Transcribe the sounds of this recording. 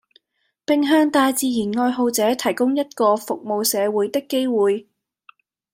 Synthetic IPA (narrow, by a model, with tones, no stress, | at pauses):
pɪ˨˧ŋɦœː˧ŋt̪aː˧jt͡siː˨˧jiː˨˩nŋɔː˧jɦo˨˧wt͡sɛː˨˥t̪ʰɐ˨˩jkʊ˥ŋjɐ˥t̚kɔː˧fʊ˨k̚mo˨wsɛː˨˧wuː˨˥jt̪ɪ˥kːe˥jwuː˨j